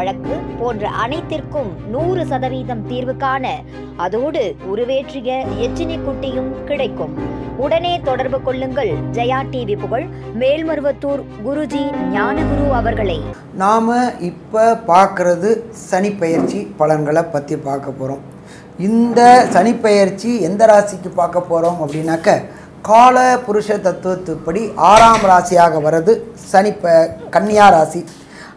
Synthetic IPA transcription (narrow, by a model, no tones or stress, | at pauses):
ɐɻɐkːɯpoːndrɐ̰ʔɐnɐɪt̪ːɪrkɯmnuːrɯsɐðɐʋiːðɐmt̪iːɾʋɯkːaːnɐ | ɐðoːɽɯʊɾʊʋeːʈrɪjɐɛt͡ʃːɪnɪkːʊʈːɪjɯmkɪɽɐɪkːɯmʊɽɐneːt̪ɔɽɐɾbɯkɔɭːɯŋɡɐɭd͡ʒɛjaːʈːiːʋɪpːɯɣɐɭ | meːlmɐɾɯʋɐt̪ːuːɾɡʊɾʊd͡ʒiɲaːnɐɡʊɾuːɐʋɐɾɣɐɭɐɪ | naːmɐʔɪpːɐpaːɾkɪɾɐðɯ | sɐnɪpːɐjɐɾt͡ʃipɐɭɐnɡɐɭɐpːɐt̪ːipaːɾkɐpːoːɾoːm | ɪnd̪ɐsɐnɪpːɐjɐɾt͡ʃːiɛnd̪ɐɾaːsɪkːɯpaːɾkɐpːoːɾoːmɐpːɐɽɪnaːkːɐ | kaːlɐpʊɾɯʂɐt̪ːɐt̪ːɯʋɐt̪ːɯpːɐɽiʔaːɾaːmɾaːsɪjaːɣɐʋɐɾɐðɯsɐnɪpːɐkɐɳːɪjaːɾaːsi